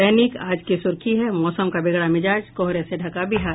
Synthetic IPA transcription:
ɛːnikaːd͡ʒkisʊɾkʰiɦɛmɔːsəmkabɪɡɽamɪd͡ʒaːd͡ʒkɔɦɾeseɖʱɐkabʱɪɦaːɾ

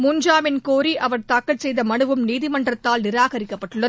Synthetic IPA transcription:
mʊɲd͡ʒaːmɪnkoːɾiʔɐʋɐɽt̪aːkːɐɭsɛjðɐmɐɳɯʋɯmniːðɪmɐɳdrɐt̪ːaːlnɪɾaːɣɐɾɪkːɐpːɐʈːɯɭːɐð

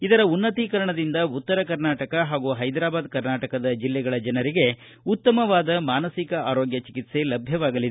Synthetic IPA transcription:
id̪ɐɾɐunːɐt̪ikɐɾɐɳɐd̪ind̪ɐut̪ːɐɾɐkɐɾnaːʈɐkɐɦaːɡuːɦɐjd̪ɾaːbaːd̪kɐɾnaːʈɐkɐd̪ɐd͡ʒilːɛɡɐɭɐd͡ʒɐnɐɾiɡe̞ | ut̪ːɐmɐʋaːd̪ɐmaːnɐsikɐaːɾoːɡjɐt͡ʃikit̪se̞lɐbʱjɐʋaːɡɐlid̪e

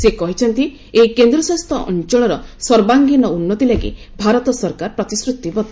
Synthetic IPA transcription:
sekɔɦit͡ʃʰɔnt̪i | ejkend̪ɾɔsast̪ʰɔʔɔ̰nt͡ʃɔɭ̃ɔɾɔsɔɾbaŋɡinɔunːɔt̪ilaɡḭ | bʱaɾɔt̪ɔsɔɾkaɾpɾɔt̪isɾut̪ːibɔt̪ːi

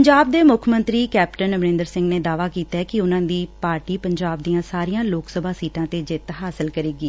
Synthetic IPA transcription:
əɲd͡ʒaːb̚d̪eːmʊkʰmənt̪ɾiːkɛːpʈənəʋɾẽːnd̪əɾsɪ̃ŋɡneːd̪aːʋaːkiːt̪aɛkɪʊnãːd̪iːpaːɾʈiːpəɲd͡ʒaːb̚d̪ijãːsaːɾijãːloːksəbʱaːsiːʈãːt̪eːd͡ʒɪt̪ɦaːsɪlkəɾeːɡiː

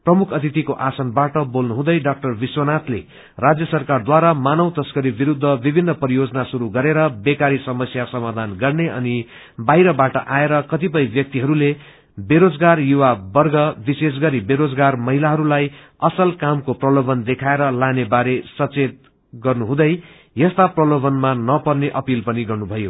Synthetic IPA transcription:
prʌmukʰʌt̪it̪ikoʔasʌnbaʈʌbolnuɦũd̪ʌjɖak̚ʈʌrbiswʌnat̪ʰlḛ | rad͡zjʌsʌrkard̪waɾamanʌwt̪ʌskʌɾibiɾud̪ʱːʌbibʱinːʌpʌɾijod͡zʌnasuɾuɡʌɾeɾʌbekaɾisʌmʌsjasʌmad̪ʱanɡʌrneʌni | bajɾʌbaʈʌʔaeɾʌkʌt̪ip̬ʌjbjʌk̚t̪iɦʌɾule | beɾod͡zɡarjuwabʌrɡʌbises̬ɡʌɾibeɾod͡zɡarmʌɦilaɦʌɾulaj | ʌsʌlkamkoprʌlobʌnd̪ekʰaeɾʌlanebaɾesʌt͡set̪̚ | ɡʌrnuɦũd̪ʌj | jʌst̪aprʌlobʌnmanʌpʌrneʔʌpilpʌniɡʌrnubʱʌjo

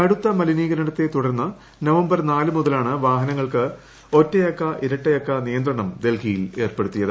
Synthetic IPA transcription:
ɐɽut̪ːɐmɐliniːɣɐɾɐɽɐt̪ːe̞t̪uɽɐɾnːɐ | nɐʋɐmbɐrnaːlɨmuðɐlaːɳɨʋaːɦɐnɐŋːɐɭkɨ | o̞tːɐjɐkːɐʔiɾɐʈːɐjɐkːɐnijɐnd̪rɐɳɐmd̪e̞lkʰijile̞ːrpeɽut̪ːijɐðɨ

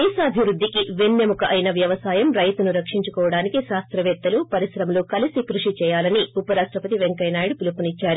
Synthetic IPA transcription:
d̪ɛːsɐːbʱiʋɾud̪ːikiʋenːemukɐʔɐjnɐʋjɐʋɐsaːjɐmɾɐjt̪unuɾɐkʂiɲt͡ʃukɔːʋɐɽaːnikiʃaːst̪ɾɐʋɛːt̪ːɐlupɐɾisɾɐmloːkɐlisikɾuʂit͡ʃɛːjaːlɐniupɐɾaːʂʈɾɐpɐt̪iʋeŋkɐjnaːjɽupulɐpunit͡ʃːaːɾu

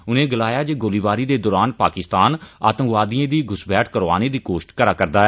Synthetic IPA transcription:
ʊnẽːɡɪlaːjaːd͡ʒeːɡoːliːʋaːɾiːd̪eːd̪ɔːɾaːnpaːkɪst̪aːna̰ːt̪ə̃ŋʋaːd̪iẽːd̪iːɡʊsbɛːʈʰkəɾʋa̰ːneːd̪iːkoːʃʈkəɾaːkəɾd̪aːɛ

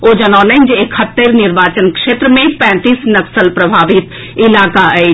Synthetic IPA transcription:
oːd͡ʒɐnɔːlẽɪnd͡ʒekʰhət̪ːəɾnɪɾʋaːt͡ʃənkʃeːt̪ɾəmẽpɛ̃ːt̪iːsnɐksəlpɾɐbʱaːʋɪt̪ | ɪlaːkae

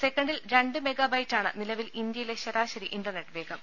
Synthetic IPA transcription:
sekːɐɳɖilɾeɳɖɨme̞ɡɐbɐjtːaːɳɨnilɐʋilind̪jɐjileɕɐɾaːɕɐɾiʔinɖɐrneʈːʋe̞ːɡɐm

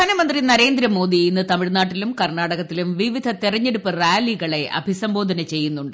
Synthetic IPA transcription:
aːnɐmɐnd̪rinɐɾe̞ːnd̪ɾɐmo̞ːd̪iinːɨt̪ɐmiɭnaːʈːilumkɐrɳaːɽɐɣɐt̪ːilumʋiʋid̪ʱɐt̪irɐɲːe̞ɽupːɨrjaːliɣɐɭe̞ʔɐ̰bʱisɐmbo̞ːd̪ʱɐnɐt͡ɕe̞jːunːuɳɖɨ

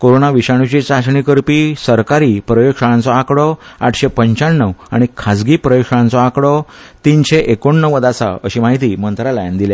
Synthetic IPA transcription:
koɾonaʋiɕaɽ̃ut͡ɕit͡saɕɳikəɾpisəɾkaɾiːpɾəjokʂəɽãnt͡sɔakɽɔa̰ʈʰɕepəɲt͡ɕaɳːəʋa̰ɽ̃ikʰad͡zɡiːpɾəjokʂəɭãnt͡sɔakɽɔt̪inɕeʔekoɳːəʋəd̪asa̰əɕimaɦit̪iːmənt̪ɾalajand̪ilje

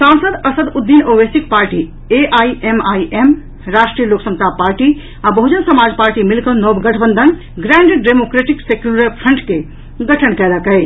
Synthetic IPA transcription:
sãːnsəd̪əsəd̪ud̪ːinobesik̚paːɾʈi | eʔaːiʔemaːiʔem | ɾaːʃʈɾijəloːksəŋt̪ʰapaːɾʈi | ãbəɦud͡ʒənsɐmaːd͡ʒpaːɾʈimilkənɔbɡəʈʰbənd̪ʱən | ɡɾɛ̃ːɳɖeɖɖemokɾeʈiksekjuɾəpʰəɳʈke | ɡɐʈʰənkɛːd̪akəe

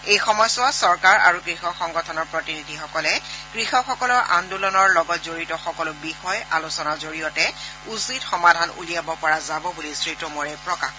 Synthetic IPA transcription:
ejxɔmɔjsʊasɔɹkaɹa̰ɹukɹixɔxɔŋɡɔtʰɔnɔɹpɹɔtinidʱixɔkɔlɛɡ̥ɹixɔxɔkɔlɔɹʔa̰ndulɔnɔɹlɔɡɔt̚zoɹitɔxɔkɔlʊbixɔja̰lusɔnazoɹijɔtɛ | usitxɔmadʱanṵlijabɔpɔɹazabɔbulisɹitɔmɔɹɛpɹɔkax

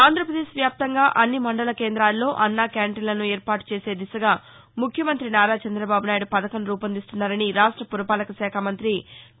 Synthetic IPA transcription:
aːnd̪ɾɐpɾɐd̪eːʃʋjaːp̚t̪ɐŋɡaːʔɐnːimɐɳɖɐlɐke̞ːnd̪ɾaːlːo̞ːʔɐnːaːkjaːɳʈilɐnueːɾpaːʈu̥t͡ʃe̞ːse̞ːd̪isɐɡaː | mukʰjɐmɐnt̪ɾinaːɾaːt͡ʃɐnd̪ɾɐbaːbunaːjɽupɐd̪ɐkɐmɾuːpɐnd̪ist̪unːaːɾɐniɾaːʂʈɾɐpuɾɐpaːlɐkɐsɛːkʰamɐnt̪ɾi

